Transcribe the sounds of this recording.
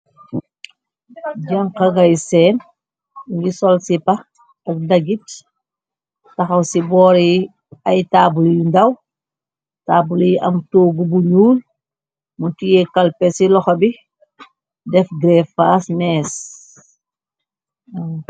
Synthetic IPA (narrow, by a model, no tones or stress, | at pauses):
ɟɐŋqɐɡɐjsɛn | ŋɡisɔlsipɐ | ɐk̚dɐɡit | tɐxɐwsibɔːɾi | ɐjtaːbuljundɐw | taːbuliʔɐ̰mtoːɡubuɲuːl | muntijɛkɐlpɛsilɔxɐbi | dɛfɡɾɛfaːsmɛːs